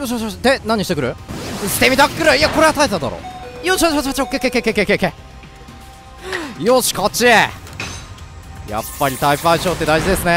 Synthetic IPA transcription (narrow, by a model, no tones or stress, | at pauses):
joɕ̬aoɕd̪enãɲ̟iɕi̥t̪ekɯ̟ɾɯ̟ɕi̥t̪e̞mʲit̪akkːɯ̟ɾɯiako̞ɾeat̪aet̪ad̪a̰ɾo̰ːjoɕiat͡ɕat͡ɕat͡ɕiokːekːekekekːekeke | joɕi̥kat͡ɕie | ja̰pːaɾʲit̪aipaiɕo̞ːt̪ːe̞d̪aiʑid̪e̞sɨne